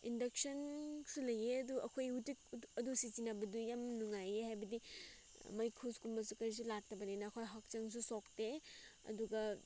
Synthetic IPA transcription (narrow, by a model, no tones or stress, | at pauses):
indɐk̚sɐnsulɐjeɐduɐkʰojhutik̚ɐdusizinɐbɐdujamnuŋajehajbɐdi | mɐjkʰuskumbɐsukɐɾis̬ulak̚tɐbɐninɐːkʰojɦak̚t͡ʃɐŋs̬usok̚teɐ̰duɡɐ